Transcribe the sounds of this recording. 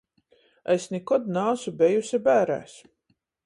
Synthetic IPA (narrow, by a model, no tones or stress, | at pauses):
asnikɔd̪naːsubejusʲɛbæːɾæ̰ːs